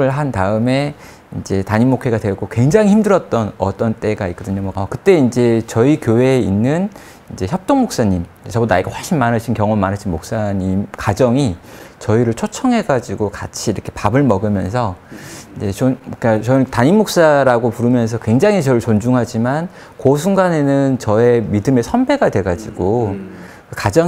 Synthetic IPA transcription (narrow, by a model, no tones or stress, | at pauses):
ɯɭɦantaɯme̞ | ind͡ʑe̞taɲimokʰe̞ɡadwe̞ɡokwe̞ŋd͡ʑaŋiçimdɯɾʌt̚t͈ʌnʌt͈ʌnt͈e̞ɡaik͈ʌdɯɲomwʌkamakɯt͈e̞ind͡ʑe̞t͡ɕʌikjowe̞inːɯn | ind͡ʑe̞çjʌp̚t͈oŋmok̚s͈aɲim | esʌbonaiɡaɸwaɭɕ͈ʰinmanɯɕʰinkjʌŋomanɯɕʰinmok̚s͈aɲimkad͡ʑʌŋit͡ɕʌiɾɯɭt͡ɕʰot͡ɕʰʌŋɦe̞ɡad͡ʑiɡokat͡ɕʰiːɾʌkʰe̞pabɯɭmʌɡɯmjʌns̬ʰʌind͡ʑe̞t͡ɕok͈at͡ɕʌtaɲinːok̚s͈aɾaɡopuɾɯmjʌns̬ʰʌkwe̞ŋd͡ʑaŋɦit͡ɕʌɾɯɭt͡ɕond͡ʑuŋɦad͡ʑiman | kosʰuŋɡane̞nɯnt͡ɕʌe̞midɯme̞sʰʌnbe̞ɡadwe̞ɡad͡ʑiɡo | kɯkad͡ʑʌ